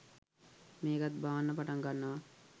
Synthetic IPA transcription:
meːɡat̪̚baʋanːəpaʈaŋɡanːəʋa

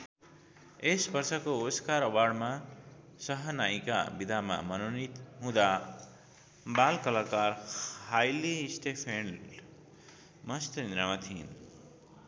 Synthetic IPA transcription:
esbʌrsʌkooskaɾʌwarɖma | sʌɦʌnajka̰bid̪ʱama̰mʌnonit̪ɦũd̪a | balkʌlakarajlisʈepʰen | mʌst̪ʌĩnɾamat̪ʰin

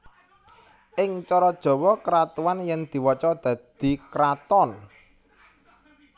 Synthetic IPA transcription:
ʔɪŋt͡ʃɔɾɔd̥ʒ̥ɔ̤wɔkəɾat̪uwanjɛŋd̪̥i̤wɔt͡ʃɔd̪̥ä̤d̪̥i̤kəɾat̪ɔn

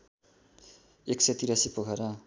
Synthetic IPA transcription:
eksʌjt̪iɾasipoɡʱʌɾʌ

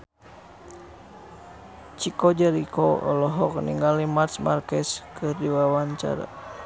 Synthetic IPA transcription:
t͡ʃikɔd͡ʒaɾikɔɔ̰lɔɦɔk̚niŋɡalimarsmarkɛskɨrdiwawaɲt͡ʃa̰ɾa̰

